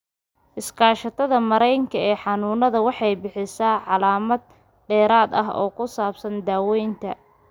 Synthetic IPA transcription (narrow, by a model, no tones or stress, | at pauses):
ʔɪskʰaːʃɐt̪ʰɐðɐmɐɾɛjŋkʰɐɛːħɑnuːnɐðɐwɑħɑjbɪħɪsaːʕɑlaːmɐd̪̚ | ɖɛːɾaːd̪ɐ̰ɦɔ̰ːkʰʊsaːbsɐnd̪aːwɛjnt̪ʰɐ